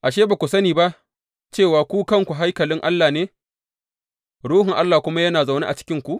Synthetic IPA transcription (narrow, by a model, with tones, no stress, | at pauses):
ʔa˨ʃ̬eː˦ba˨kʷu˨sɐ˦niː˨ba˦ʔ | t͡ʃeː˦˨waː˨kʷuː˦kɐ˦˨ŋkʷu˨ɦa˦jkɐ˨lɪ˦ŋʔa˦lːaː˨neː˦ | ɽuː˦hɪ˨ŋʔa˦lːaː˨kʷʊ˦ma˦jɐ˦naː˨za˨wnḛː˦ʔa˨t͡ʃɪ̥˦kʲɪ˦ŋkʷu˨ʔ